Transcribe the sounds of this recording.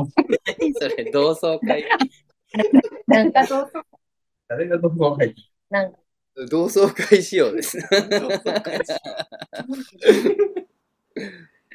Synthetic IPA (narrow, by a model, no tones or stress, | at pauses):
soɾed̪o̞ːso̞ːki | nnãkad̪oːso | d̪̥aɾeɡat̪oɸɯmaɦait̪i | nãŋka | d̪o̞ːso̞ːkaiɕijo̞ːd̪e̞sɨ